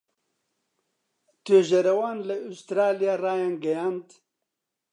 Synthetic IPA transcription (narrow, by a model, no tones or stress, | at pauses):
t̪øːʒɐɾɐwaːnlɐust̪ɾaːlijaːraːjanɡɐjaːnt̪